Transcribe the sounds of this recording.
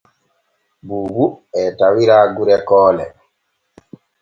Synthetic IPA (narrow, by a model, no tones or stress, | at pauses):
buːbuɛtawiɾaːɡuɾɛkɔːlɛ̰